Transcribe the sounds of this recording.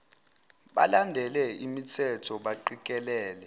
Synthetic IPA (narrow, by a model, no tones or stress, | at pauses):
ɓa̰landʱɛlɛimitʰɛtʰɔɓaǃik̬ʼɛlɛːlɛ